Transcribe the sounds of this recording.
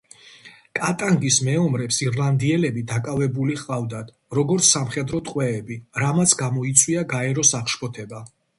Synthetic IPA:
kʼat̪ʼaŋɡismɛɔmɾɛpsiɾlˠand̪iɛlɛbid̪akʼavɛbuliχʼavd̪ad̪̥ | ɾɔɡɔɾt̪sʰːamχɛd̪ɾɔt̪ʼqʼwɛːbiɾamat̪sʰɡamɔit̪sʼwiaɡaɛɾɔsaχʃpʰɔt̪ʰɛba

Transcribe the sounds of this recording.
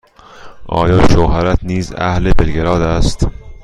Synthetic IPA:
ʔɒ̰ːjɒːʃoɦæɾæt̪niːzæ̰hlebelɡeɾɒːd̪æst̪

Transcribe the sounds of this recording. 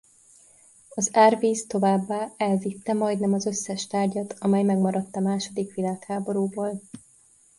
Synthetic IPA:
ɒzaːrviːst̪o̞vaːbːaːɛlvit̪ːɛmɒjd̪nɛmɒzøsːɛʃt̪aːrɟɒt̪ɒmɛjmɛɡmɒɾɒt̪ːɒmaːʃo̞d̪ikʋilaːkhaːbo̞ɾuːboːl

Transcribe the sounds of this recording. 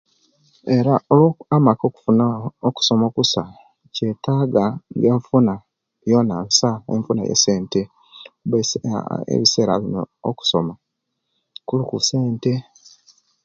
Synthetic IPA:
e̞ɾaolwoamako̞ːku̥funaoku̥so̞makusa | ce̞taːɡaŋɡe̞ːɱfuna | jo̞nansaḛɱfuna̰jḛseːnte̞ | kuβeḛβise̞ːɾa̰βino̰o̰ku̥soma | kulukuse̞ːnte̞

